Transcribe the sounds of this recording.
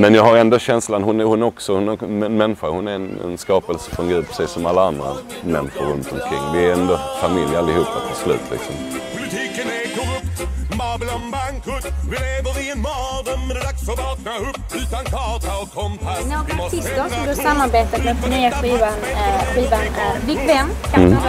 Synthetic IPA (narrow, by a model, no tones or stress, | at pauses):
mɛnjɑːɡhaɾɛnd̪oɕɛnslanɦʊnæhʊnɔksɔhʊnɛnmɛnːɪɧaɾhʊnæɛnɛ̰nskɑːpəlsə̥fɔnɡɾʉːpʰːɾɛ̥siːsːɔmalːaand̪ɾa̰ | mɛnːɪɧʊɾːɵnt̪ɔmkʰɾɪ̰ŋːd̪ɪæɛnd̪ɔfamɪljalːɪhuːpːa̰t̪ʰɑslʉ̟̰ːt̪ʰlɪ̰ksɔmpʰʊlɪt̪ʰiːkənækʰɔpmɑblɔaŋkʰʊɪevəɾɪɛnmɑd̪əksɔɑknaʊpːʉːt̪ankʰɑt̪aɔnoːɡaɪst̪əɾsɔmd̪ɵasamːaɾbeːt̪at̪mɛfɔnyːaɧiːvanɧiːvanvɪkvɛmːkʰa